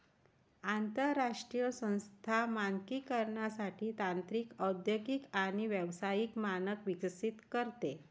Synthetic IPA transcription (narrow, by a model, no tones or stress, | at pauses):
ant̪əɾːaʂʈɾijəsə̃w̃st̪ʰamaŋkikəɾɳjasaʈʰiːt̪ant̪ɾiːkəd̪jəɡikaɽ̃iʋjəʋsajikmanəkʋiksit̪kəɾt̪e